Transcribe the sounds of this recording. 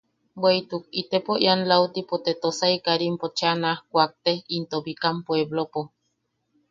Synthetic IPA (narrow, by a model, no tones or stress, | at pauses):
bweit̪ukit̪epoʔjanlawt̪ipot̪et̪osaikaɾimpot͡ʃanahkʷak̚t̪ehint̪obikampweβlopo